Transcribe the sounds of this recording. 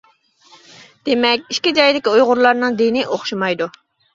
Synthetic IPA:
d̪̥emɛkʲiʃkʲid͡ʒɑjd̪ɪkʲiujʁʊɾlˠɑɾnɨŋd̪enɪʔoχʃumɑjd̪u

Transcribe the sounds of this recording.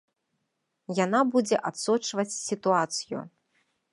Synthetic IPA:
janabud͡zʲɛʔat̪sɔt͡ʂvɐt͡sʲsʲit̪uat̪sɨjṵ

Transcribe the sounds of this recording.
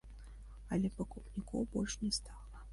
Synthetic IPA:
ɐlʲɛpɐkupnʲikɔ̰wbɔlʲʂnʲɛst̪alˠɐ

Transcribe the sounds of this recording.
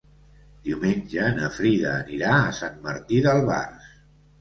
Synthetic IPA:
d̪̥iumenʲʒənəfɾiðə̰ːniɾaəsanmə̰ɾt̪iðəlˠβa̰rs

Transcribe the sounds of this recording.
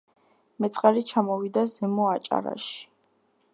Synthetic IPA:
mɛt̪sʼqʼaɾit͡ʃʰamɔvid̪azɛmɔat͡ʃʼa̰ɾa̰ʃi̥

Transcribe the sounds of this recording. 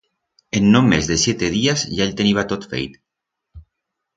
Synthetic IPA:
enːomezðesjet̪eð̞iazʒaeʎʲt̪eniβat̪ot̪fḛjt̪

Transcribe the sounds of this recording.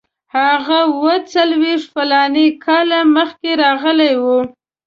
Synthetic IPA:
haɣawət͡salweʂʈfalɑnekʰɑlaməxkeɾɑɣəlajwu

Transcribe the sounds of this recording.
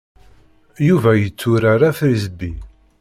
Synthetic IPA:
juvæjət͡sːʊɾaɾafɾizəbːi

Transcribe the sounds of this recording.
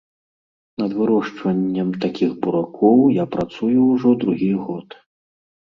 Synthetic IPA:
nɐd̪vɨɾɔʂt͡ʂvɐnʲːɐmt̪akʲiɣbuɾakʰɔwjapɾat̪sujuwʐɔd̪ɾuɣʲiɣɔt̪

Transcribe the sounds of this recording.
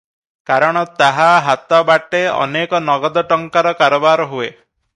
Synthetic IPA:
kaɾɔɽ̃ɔt̪aɦaɦat̪ɔbaʈeɔ̰nekɔnɔɡɔd̪ɔʈɔŋkaɾɔkaɾɔbaɾɔɦue

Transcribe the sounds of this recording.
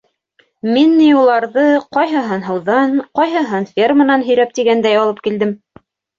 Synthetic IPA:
minːijulˠɑɾðɤqɒjɦɤ̆ɦɤnɦɤ̆wðɑnqɑjɦɤ̆ɦɤnfʲermənɑnɦɵ̆jɾæp̚t̪iɡænd̪æjɑlˠɤp̚kild̪ɘm

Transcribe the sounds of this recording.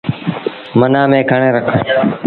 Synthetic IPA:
mənaːmẽːkʰaɳeːɾəkʰə̃ː

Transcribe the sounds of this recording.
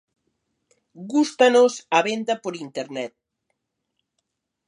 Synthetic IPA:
ɡust̪anosaβend̪apoɾint̪eɾnɛt̪̚

